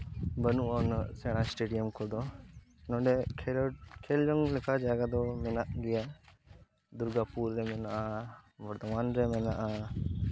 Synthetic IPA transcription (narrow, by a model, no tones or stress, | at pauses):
bənuʔɔːnsɛɽ̃asʈeɖijəmkɔɾd̪ɔnɔɖɛkʰeld͡ʒɔŋlɛkʰad͡ʒaːɡad̪ɔmɛnaʔɡɛja | d̪uɾɡapuɾd̪ɛmɛnaʔaʋɐɾt̪ɔmaːnɾɛmɛnaʔa